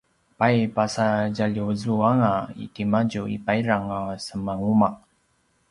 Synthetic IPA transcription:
pajpasaɟaʎizuaŋaḭtimad͡ʒuḭpaiɾaŋasəmaŋumaʔ

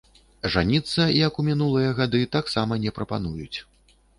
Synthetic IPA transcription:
ʐanʲit̪sːɐjɐkumʲin̪ulˠɨjɐɣad̪ɨt̪aksamɐnʲɛpɾɐpa̰n̪ujut͡sʲ

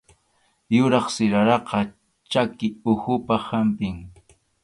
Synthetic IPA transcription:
jʊɾɑχsɪɾaɾɑqɑ | t͡ʃakɪʊxʊpahampɪŋ

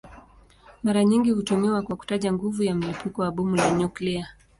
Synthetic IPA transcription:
maɾaɲiŋɡihutumiwakwaku̥taʄaŋɡuvujam̩lipukɔwaɓumulaɲuklia

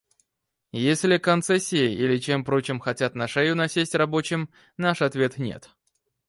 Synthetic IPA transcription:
jesʲlʲɪkɐnt̪sɛsʲːɪjɪilʲɪt͡ɕe̞mpɾo̞t͡ɕɪmxɐtʲat̪nɐʂɛjʊnɐsʲesʲtʲrɐbo̞t͡ɕɪm | naʂɐt̪vʲe̞t̪nʲḛt̪

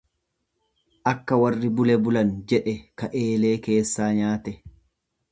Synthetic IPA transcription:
ʔɐkːɐwɐrːɪbʊlɛbʊlɐnd͡ʒɛᶑɛkɐʔe̞ːle̞ːke̞ːsːaːɲaːt̪ɛ

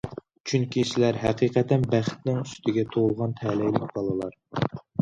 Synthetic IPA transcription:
t͡ʃʰyŋkʲisɪlæɾɦæqiːqʰɛt̪ʰɛnbæχt̪nɪŋyst̪ʰɪɡʲɛt̪ʰolˠʁɑnt̪ʰɛlɛjlɪk̚ʲbɑlˠɨlˠɑɾ

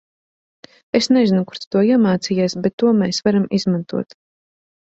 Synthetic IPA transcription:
esnezinukuɾ̥t̪t̪uɔiɛmaːt̪sijasbɛt̪ːuɔmeːsvaɾamizmant̪ṵɔt̪

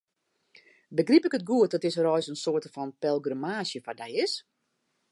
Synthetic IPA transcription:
bəɡripɪkət̚ɡuət̚dɔtɪsrɔjsənsoərtəfɔnpɛlˠɡrəmaːsjəfadɛjɪs

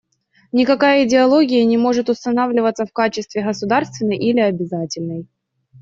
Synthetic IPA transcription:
nʲɪkɐkajəɪdʲɪɐlˠo̞ɡʲɪjənʲɪmo̞ʐɨt̪ʊst̪ɐnavlʲɪvət̪səfkat͡ɕɪst̪vʲɪɣəsʊd̪arst̪vʲɪnːəjʔilʲɪɐbʲɪzatʲɪlʲnəj

